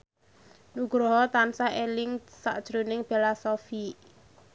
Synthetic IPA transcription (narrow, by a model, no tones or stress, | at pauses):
nuɡ̥ɾɔɦɔt̪ansaʔelɪŋsa̰ʔd̥ʒ̥ɾonɪŋpelasɔfi